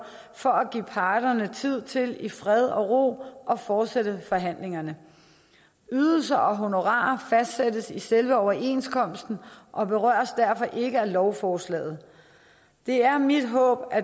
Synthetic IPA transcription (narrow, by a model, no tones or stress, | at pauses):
fɒ̽æɡ̥ḭːpʰɑ̈ːd̥ɐnət͡sʰið̞̰ˠt͡sʰe̝lifʁɛð̞ˠɒ̽ʁo̝̰ːʔɒ̽fɒːd̥seɾəfɒ̽ɦæn̰le̝ŋɐnə | yːðˠl̩s̬ɐʔɒ̽ɦo̝no̝ʁɑ̰̈ːɐfæsd̥sedəsiselʋəɒʊɐʔe̝̰nskʰɒ̽m̰sd̥n̩ʔɒ̽b̥e̝ʁɶ̰ːɐ̰sd̥æɐfɒ̽ʔe̝ɡ̥əælɒʊfɒːslɛ̰ːð̞̩ˠ | d̥e̝æɐmid̥ɦɔ̰̽ːb̥æ